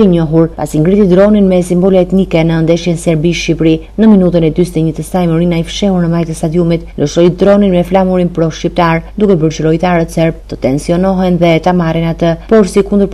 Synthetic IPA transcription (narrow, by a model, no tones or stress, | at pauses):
iɲɔɦuɾpa̰siŋɡɾit̪id̪ɾɔninmɛsimbɔlɛɛt̪nikɛnənd̪ɛʃjɛnsɛɾbiʃipɾi | nəminut̪̬ənɛd̪yst̪ɛɲət̪əsajmɔɾinaifʃɛhuɾnəmajt̪əst̪ad̪jumit̪ləʃɔjd̪ɾɔninmɛflamuɾinpɾɔʃcip̚t̪aɾd̪ukɛbəɾt͡ʃəɾɔjt̪aɾət̪sɛɾb̚t̪ət̪ɛnsiɔnɔɦɛnðɛt̪amaɾinat̪əpɔɾsikund̪əɾp